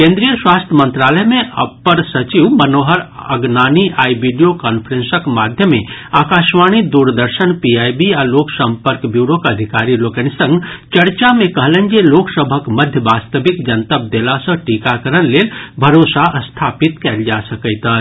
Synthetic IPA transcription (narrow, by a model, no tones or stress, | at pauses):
kẽnd̪ɾijəswast̪ʰjəmə̃nt̪ɾaləɦmeʔə̰pːəɾsət͡ʃiʋmənoɦəɾəɡnaːniʔaibiɖijokɔnpʰəɾẽnsəkmad̪ʱjəmeaːkaʃʋañid̪uɾd̪əɾsənpiajbialoksəmpəɾkbjuɾokəd̪ʱikaɾilokənisə̃ŋɡt͡ʃəɾt͡ʃamekəɦlə̃nd͡ʒeloksəbʱəkməd̪ʱjəbast̪əbikd͡ʒənt̪əb̚d̪elasə̃ʈikakəɾənlelbʱəɾosaʔəst̪ʰapit̪kɛld͡ʒasəkəɪt̪ə